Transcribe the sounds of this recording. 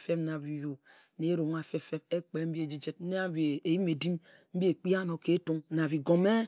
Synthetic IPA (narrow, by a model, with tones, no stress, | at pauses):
fe˦pna˨βi˨jo˨ | ne˨˦ɾo˨ŋ˦a˨fe˦fe˦be˦k͡pe˨˦m̩˦bi˦e˨d͡ʒi˦d͡ʒe˦t̩̚˦ne˦a˦be˨e˨ji˦me˨di˦m | m̩˦bi˦e˨k͡pi˦a˦no˨ke˦to˦ŋna˨βi˨ɡo˨me˦